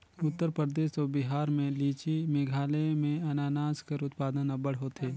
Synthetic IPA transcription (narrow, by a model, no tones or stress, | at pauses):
ʊt̪ːəɾpɾəd̪eːʃɔːbɪɦaːɾmẽliːt͡ʃimeɡʱaːlemẽɐnaːnaːzkəɾʊt̪paːd̪ənɐbəɽɦoːt̪eː